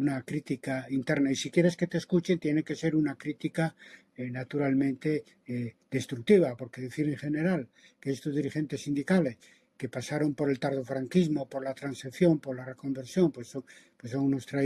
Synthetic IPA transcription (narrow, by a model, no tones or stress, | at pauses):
unakɾit̪ikaint̪e̞ɾnaisikje̞ɾe̞ske̞t̪e̞skut͡ʃe̞nt̪je̞ne̞ke̞se̞ɾunakɾit̪ika | enat̪uɾalmẽ̞nt̪e̞ | d̪̥e̞st̪ɾuk̚t̪iβ̞apo̞ɾke̞ðeθiɾeŋxe̞ne̞ɾal | keest̪ozðiɾixe̞nt̪e̞sːind̪ikale̞s | ke̞pasaɾo̞mpo̞ɾe̞lt̪aɾð̞o̞fɾaŋkizmo̞po̞ɾlat̪ɾanseθjo̞mpo̞ɾlare̞ko̞mbeɾsjo̞mpwesopwesawno̞st̪ɾa